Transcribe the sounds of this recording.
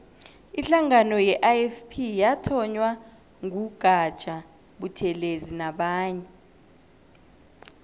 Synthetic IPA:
iɬaŋanɔjɛʔaɛfpʰijatʰɔɲwa | ŋʱuɡ̥ʱḁt͡ʃʼa | ɓutʰɛlezinaɓaːɲɛ

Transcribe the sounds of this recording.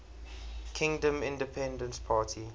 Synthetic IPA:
kʰɪ̃ŋdə̃mɪ̃ndəpʰɛ̃ndə̃nspʰaːtʰi

